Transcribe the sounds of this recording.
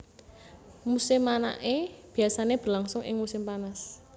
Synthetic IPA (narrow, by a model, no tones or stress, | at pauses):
musɪmana̰ʔeb̥i̤asaneb̥əlaŋsʊŋʔɪ̰ŋmusɪmpanas